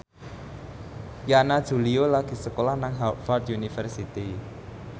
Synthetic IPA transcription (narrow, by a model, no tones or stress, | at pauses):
janad̥ʒ̥ṳliolaɡ̥i̤səkolahnaŋɦafard̪junifərsit̪i